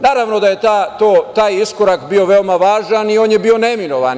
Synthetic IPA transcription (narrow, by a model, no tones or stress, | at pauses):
naːɾaʋno̞d̪aje̞t̪at̪oːt̪aːjiskoɾakbio̞ʋe̞omaʋaːʒanio̞ːnjebio̞ne̞mino̞ʋa̰n